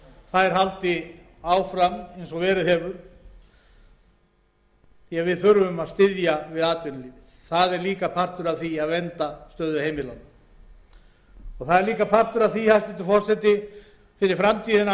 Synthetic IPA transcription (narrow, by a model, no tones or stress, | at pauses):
θaðɛɾ̥ɦalt̪ɪ | aːwfɾamejnsɔɣvɛːɾɪðhɛːvʏɾ̥ | jɛɣvɪðθʏɾvʏmaðst̪ɪðjavɪðaːt̪ʏnliːvɪθaðɛɾliːkapʰar̥t̪ʏɾaðθiaðvɛnt̪ast̪œːðʏheːjmɪlawn | ɔɣθaðɛɾliːkapʰar̥t̪ʏɾaðθihast̪ɪnt̪ɪ̥fɔr̥sɛt̪ɪ | fɪɾɪɾfɾamt̪ʰiːðɪna